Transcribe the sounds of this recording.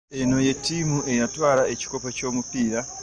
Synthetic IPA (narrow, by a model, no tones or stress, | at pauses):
enoje̞timuʔejatwaɾaʔet͡ʃi̥kopat͡ʃo̞mupiːɾa